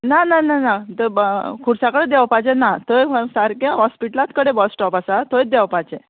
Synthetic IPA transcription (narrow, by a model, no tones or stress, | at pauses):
nanananat̪əkʰuɽsakəɽed̪ɛʋpad͡ʑenat̪ojsaɾkãɦɔspiʈlat̪kəɽebɔsʈɔpasat̪oj̚d̪ɛʋpad͡ʑe